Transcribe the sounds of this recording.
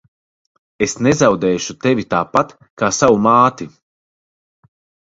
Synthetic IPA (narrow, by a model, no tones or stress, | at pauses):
esnezawd̪ɛːʃut̪evit̪aːpat̪ | kaːsawumaːt̪i